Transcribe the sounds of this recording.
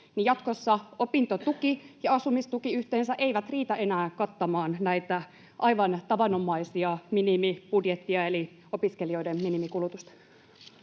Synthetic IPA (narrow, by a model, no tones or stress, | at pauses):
nijɑt̪kosːɑopint̪ot̪ukijɑɑsumist̪ukiyht̪eːnsæʔeiʋæt̪riːt̪æe̞næːkɑt̪ːɑmɑːnnæit̪æ | ʔɑiʋɑnt̪ɑʋɑnomˑɑisiɑminimib̥udjet̪ːiɑeli | opiskelioidemminimikulut̪ust̪ɑ̥